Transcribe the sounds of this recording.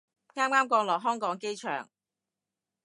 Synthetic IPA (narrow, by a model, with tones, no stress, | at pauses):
ŋaː˥mŋaː˥mkɔː˨˧ŋlɔː˨˩ɦœː˥ŋkɔː˨˥ŋke˥jt͡ʃʰœ̰ː˨˩ŋ